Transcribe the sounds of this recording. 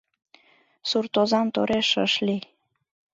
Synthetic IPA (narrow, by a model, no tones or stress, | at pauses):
surt̪ozɑmt̪oɾeʃə̰ʃli